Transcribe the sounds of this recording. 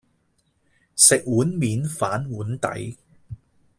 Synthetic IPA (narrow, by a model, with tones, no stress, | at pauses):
sɪ˨k̚wuː˨˥nmiː˨˧nfaː˨˥nwuː˨˥nt̪ɐ̰˨˥j